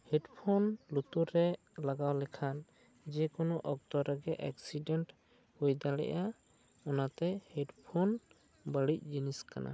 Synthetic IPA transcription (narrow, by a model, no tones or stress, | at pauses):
hɛʈpʰɔnlut̪uɾɛ | laɡawlɛkʰan | d͡ʒɛkɔnɔʔɔk̚t̪ɔɾaɡɛʔɛksiɖɛnʈ | hujd̪alɛ̰ʔa | ɔnat̪ɛhɛʈpʰɔn | bəɽic̚ˀd͡ʒiniskana̰